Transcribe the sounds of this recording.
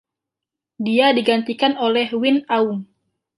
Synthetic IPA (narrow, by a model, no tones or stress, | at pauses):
diadiɡant̪ikanolɛhwinauŋ